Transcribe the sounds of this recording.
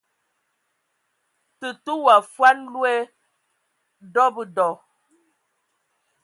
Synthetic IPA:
tə˨tu˦wa˨fwa˦nlwɛ˦ | dɔ˦bə˨dɔ˨

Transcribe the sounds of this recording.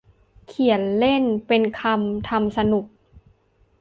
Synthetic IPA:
kʰi˨˩˦nle˥˩npe˧nkʰa˧mt̪ʰa˧msa˧nu˨˩k̚

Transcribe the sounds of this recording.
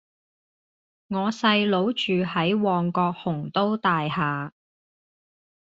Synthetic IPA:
ŋɔː˨˧sɐ˧jlo˨˥wt͡ʃyː˨hɐ˨˥jwɔː˨ŋkɔː˧k̚hʊ˨˩ŋt̪o˥wt̪aː˨jhaː˨

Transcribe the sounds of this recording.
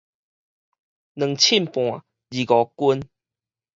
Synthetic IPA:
nə̃˨˩ŋt͡ɕʰi˥˨mpw̃ã˨ | d͡ʑi˨ɡɔ˨˦ku˦n

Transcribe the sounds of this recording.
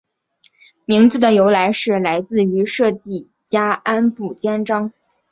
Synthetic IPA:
mi˧˥ŋt͡sɹ̩˧˩d̪ə˩jo˧˥ʊla˧˥ɪʂɻ̩˥˩la˧˥ɪt͡sɹ̩˥˩y˧˥ʂɤ˥˧t̪i˥˩ | t͡ɕja˥a˥npu˥˨˩t͡ɕjɛ˥nʈ͡ʂɑ˥ŋ

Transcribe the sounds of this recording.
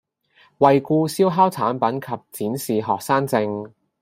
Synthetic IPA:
wɐ˨jkuː˧siː˥wɦaː˥wt͡sʰaː˨˥npɐ˨˥nkʰɐ˨p̚t͡siː˨˥nsiː˨ɦɔː˨k̚saː˥ŋt͡sɪ˧ŋ

